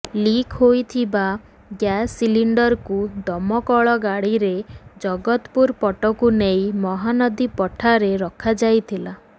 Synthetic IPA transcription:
likɦojt̪ʰiba | ɡjasiliɳɖɔɾkud̪ɔmɔkɔɭɔɡaɽiɾed͡ʒɔɡɔt̪puɾpɔʈɔkunejmɔɦanɔd̪ipɔʈʰaɾeɾɔkʰad͡ʒajt̪ʰila

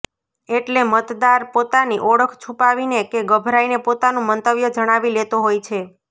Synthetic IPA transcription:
eʈlemət̪d̪aɾpot̪aniʔɔɽəkʰt͡ʃʰũpaʋinekeɡəbʱɾainepot̪anõmənt̪əʋjəd͡ʒəɽ̃aʋilet̪oɦojt͡ʃʰe

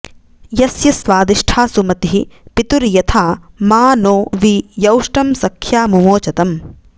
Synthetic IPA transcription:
jɐsjɐsʋaːd̪iʂʈʰaːsumɐt̪iɦipit̪uɾjɐt̪ʰaːmaːnoːʋijɐwʂʈɐmsɐkʰjaːmumoːt͡ʃɐt̪ɐm

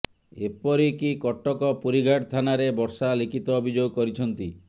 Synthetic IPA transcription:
epɔɾikikɔʈːɔkɔpuɾiɡʱaʈt̪ʰanaɾebɔɾsalikit̪ɔːbʱid͡ʒoɡkɔɾit͡ʃʰɔnt̪i

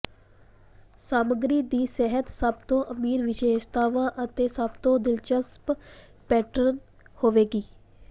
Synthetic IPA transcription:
saːməɡɾiːd̪iːsɛɦət̪səbt̪õːʔəmiːɾʋɪʃeːʃt̪aːʋãːʔət̪eːsəbt̪õːd̪ɪlt͡ʃəsp | pɛːʈəɾən | hoːʋeːɡiː

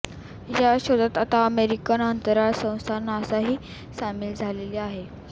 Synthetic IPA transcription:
jaɕod̪at̪at̪aəmeɾikanənt̪əɾasə̃w̃st̪ʰanasaɦiː | samiːld͡zʱaleliaɦe

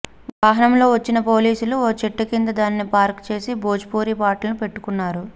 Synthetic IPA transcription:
ʋaːɦɐnɐmlo̞ːʋɐt͡ʃːinɐpo̞ːliːsuluoːt͡ʃiʈːɐkind̪ɐd̪aːnnːipaːɾkt͡ʃe̞ːsiboːd͡ʒpoːɾipaːʈlɐnupe̞ʈːu̥kunːaːɾu

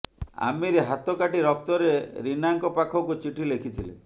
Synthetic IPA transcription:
a̰meɾeɦat̪ɔkaʈiɾɔk̚t̪ɔɾeɾinaŋkɔpakʰɔkut͡ʃiʈʰilekʰit̪ʰilḛ

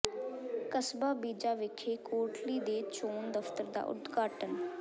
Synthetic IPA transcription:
kəsbaːbiːd͡ʒaːʋɪkʰeːkoːʈliːd̪eːt͡ʃoːnd̪əft̪əɾd̪a̰ːʔʊ̰d̪ɡaːʈən

